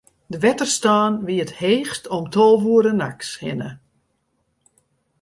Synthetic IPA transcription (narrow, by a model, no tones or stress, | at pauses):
dəʋɛtərstaːnʋiətheːxtʰɔmtʰɔlˠʋuəɾəna̰kshɪ̰nə